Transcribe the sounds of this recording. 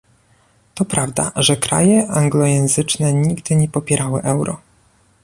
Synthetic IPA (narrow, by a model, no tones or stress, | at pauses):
t̪ɔpɾavd̪a̰ʐɛkɾa̰jɛʔaŋɡlɔjɛ̃ñzɘt͡ʂnɛɲiɡd̪ɘɲɛpɔpʲjɛɾʔawɘ̰ʔɛwɾɔ̰